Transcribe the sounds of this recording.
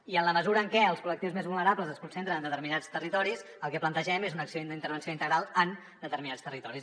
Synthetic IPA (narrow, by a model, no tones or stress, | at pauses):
iənləməzuɾəːŋkɛəlˠskulək̚t̪iuwzmezβulˠnəɾapləzəskunsent̪ɾənənd̪ət̪əɾminat͡st̪ərit̪ɔɾis | əlˠkɛplənt̪əʒɛmezunəksioind̪əint̪əɾβənsioint̪əɣɾalˠən | d̪ət̪əɾminast̪ərit̪ɔɾis